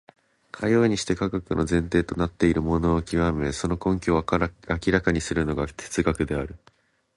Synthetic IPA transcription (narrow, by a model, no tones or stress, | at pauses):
kʰajo̞ːɲ̟iɕi̥t̪e̞kaɡakɯ̟nʔo̞zẽ̞nt̪e̞ːt̪o̞nat̪ːe̞iɾɯ̟mo̞no̞ːkʲiβameso̞no̞kõ̞ŋkʲoakʲiɾakaɲ̟isɨɾɯ̟no̞ɡatʰe̥t͡sɨɡakɯ̟d̪e̞aɾɯ̟